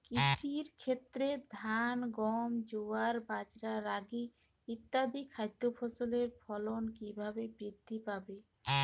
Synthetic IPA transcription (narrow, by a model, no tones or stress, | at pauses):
kit͡ɕʰiɾkʰet̪ːɾed̪ʱanɡɔmd͡ʑoaɾbad͡ʑɾaɾaɡi | it̪ːad̪ikʰajd̪ofʰosoleɾpʰɔlonkibʱabebɾid̪ʱːipabe